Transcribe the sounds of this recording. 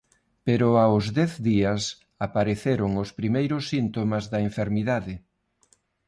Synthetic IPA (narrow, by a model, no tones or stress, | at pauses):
peɾʊaʊzðɛθðiɐs | apaɾeθeɾʊŋʊspɾimejɾʊsːint̪omɐzðɐeɱfeɾmiðaðɪ